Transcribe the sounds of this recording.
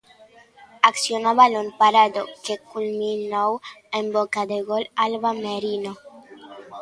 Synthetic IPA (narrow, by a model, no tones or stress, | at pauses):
aksjonaβalompaɾad̪okekulmĩnowembokaðeɣolalβameɾino